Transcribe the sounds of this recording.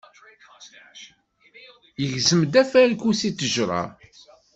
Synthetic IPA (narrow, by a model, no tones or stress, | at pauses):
jəʝzəmd̪æfælkusit̪ːəʒɾˤɑ̰